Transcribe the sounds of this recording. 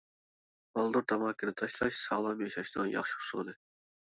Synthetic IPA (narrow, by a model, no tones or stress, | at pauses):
mɑlˠd̪ʊɾt̪ʰɑmɑːkʲɪnɪt̪ʰɑʃlˠɑʃsɑːlˠɑmjɑʃɑʃnɨnjɑ̰χʃi̥ʊ̥sod̪ɨ